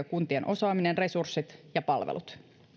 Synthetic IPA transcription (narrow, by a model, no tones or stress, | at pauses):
ɑkunt̪ienʔo̞sɑːminenre̞sursːit̪jɑpɑlʋḛlut̪